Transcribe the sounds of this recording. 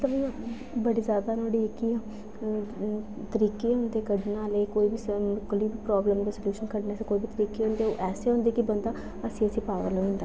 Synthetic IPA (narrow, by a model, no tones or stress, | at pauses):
mət̪ləb | bəɽiːzjaːd̪aːnoːɽieki | t̪əɾiːkeːɦõːnd̪eːkəɽnaːleːkoːiːbikːliːbipɾɔːbləmd̪esəljuːʃənkəɽneːsekoːiːbit̪əɾiːkeːɦʊ̃ːnd̪eːo̰ːʔɛːseːɦõːnd̪eːkɪbənd̪aː | əsĩːəsĩːpaːʋa̰loĩːnd̪aː